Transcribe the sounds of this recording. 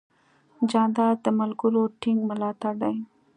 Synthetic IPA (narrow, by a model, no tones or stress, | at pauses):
d͡ʒɑnd̪ɑɾd̪əmʊlɡuloʈɪŋɡmʊlɑt̪aɾd̪aj